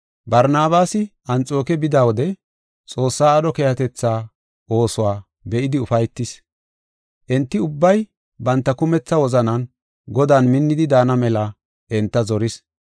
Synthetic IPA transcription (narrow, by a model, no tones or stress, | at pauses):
bɐɾnaːbaːsɪʔɐnt͡sʼo̞ːkɛbɪd̪aːwɔd̪ɛ | t͡sʼo̞ːsːaːɗɔkeːhɐt̪ɛt͡sːaː | o̞ːsʊwaː | bɛʔɪd̪ɪʊfɐjt̪ːɪs | ʔɛnt̪ːɪʊbːɐj | bɐnt̪ːɐkʊmɛt͡sːɐwɔzɐnɐn | ɡɔd̪aːnmɪnːɪd̪ɪd̪aːnɐmɛlɐ | ʔɛnt̪ːɐzɔɾɪs